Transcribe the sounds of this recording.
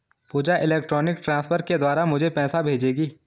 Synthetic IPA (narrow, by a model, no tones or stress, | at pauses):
puːd͡ʒaʔɪleːkʈɾɔːnɪkʈɾãːspʰəɾked̪waːɾamʊd͡ʒʱepɛːsabʱeːd͡ʒeːɡiː